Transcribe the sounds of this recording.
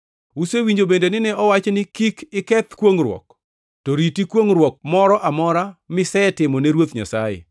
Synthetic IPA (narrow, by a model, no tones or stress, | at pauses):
usewiɲd͡ʒobendenɪnɛɔwat͡ʃnɪkikɪkɛt̪kwoŋrwɔ̰k | toɾitikwoŋɾwɔk̚mɔɾɔʔamɔɾamɪsɛtɪmɔneɾwot̪ɲa̰sa̰jɪ̰